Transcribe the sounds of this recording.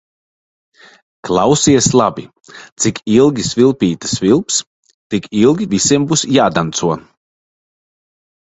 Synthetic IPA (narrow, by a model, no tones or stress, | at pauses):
klˠawsiɛslˠabi | t̪sikʰilˠɡʲisvilˠpʲiːt̪ɨ̥svilˠps | t̪ikʰilˠɡʲivisiɛmbusjaːd̪ant̪suɔ